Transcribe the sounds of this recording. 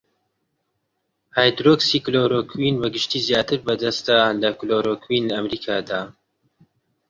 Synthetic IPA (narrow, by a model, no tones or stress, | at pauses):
haːjd̪ɾoksikloɾokʰwinbɐɡɨʃt̪iːzjaːt̪ɨɾbɐd̪ɐst̪alɐkloɾokʰwinlɐɐmɾiːkʰaːd̪aː